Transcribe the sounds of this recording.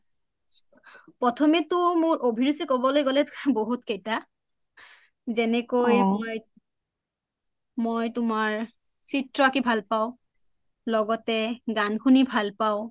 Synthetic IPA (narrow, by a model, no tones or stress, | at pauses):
pɔtʰɔmɛtʊmʊɹʔobʱiɹusikɔbɔlojɡɔlɛboɦutkejta | zɛnɛkojmɔj | mojtʊmaɹ | sitɹɔakibʱalpaʊ̃ | lɔɡɔtɛɡankʰunibʱalpaʊ̃